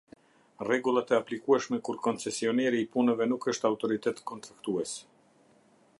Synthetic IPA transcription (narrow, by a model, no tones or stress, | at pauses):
rɛɡulˠat̪ɛaplikuɛʃmɛkuɾkɔnt͡sɛsiɔnɛɾiːpunəvɛnukəʃt̪awt̪ɔɾit̪ɛt̪kɔnt̪ɾakt̪uɛsɛ̥